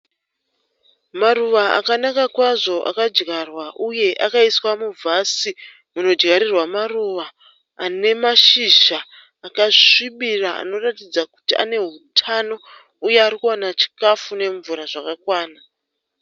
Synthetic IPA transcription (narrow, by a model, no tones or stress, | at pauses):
maruʋaa̰kanakakwaʐo̞ʔa̰kad͡ʒɡarwaʔuje̞ʔakaiswamuvʱasi | muno̞d͡ʒɡaɾirwamaruʋaː | ne̞maʃiʒaː | kaiɓiraa̰no̞ratid͡zaku̥tia̰ne̞ɦutʰano̞ | uje̞aɾikuanat͡ʃi̥kafune̞ɱvuɾaʐakakwaːna